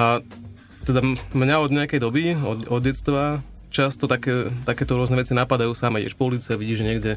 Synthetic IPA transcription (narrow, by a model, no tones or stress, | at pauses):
ʔa | t̪ɛd̪amɲaɔd̪ɲɛakɛjd̪ɔbiɔɔd̪jɛt̪st̪ʋa | t͡ʃast̪ɔt̪akɛːt̪akɛːt̪ɔɾʊɔznɛʋɛt͡sinapad̪ajuːsamɛɛ̰ʃpɔuliːt͡siaʋiɟiːʒɛɲɪɛɡɟɛ